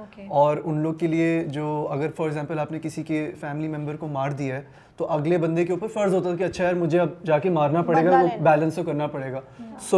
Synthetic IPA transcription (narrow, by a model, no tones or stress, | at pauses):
ɔːɾʊnloːɡ̚kelied͡ʒoːɐɡəɾfɔːɾɛɡzɛ̃ːmpəlaːpnekɪsikefɛːmɪlimɛ̃mbəɾkomaːɾd̪iaɦɛː | t̪oʔɐɡlebɐ̃nd̪ekeʊːpəɾfɐɾzʱɦoːt̪at̪ʰːkiɐtːʃʰaɦɛɔɾmʊd͡ʒʱeɐb̚d͡ʒaːkemaːɾnapɐɽeːɡaobɛːlə̃nst̪okɐɾnapɐɽeːɡaːso